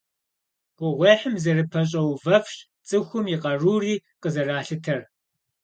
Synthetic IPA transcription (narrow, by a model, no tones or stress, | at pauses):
ɡ̥ʷʊʁʷeːħɨmzɐrɨpʰɐɕ̬ʼɐwvɐfɕ | t͡sʼɨxʷʊmjɪqɐruːriːqəzɐraːɬɨtʰɐr